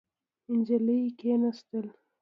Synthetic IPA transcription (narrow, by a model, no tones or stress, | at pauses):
ɪnd͡ʒaləkenast̪əl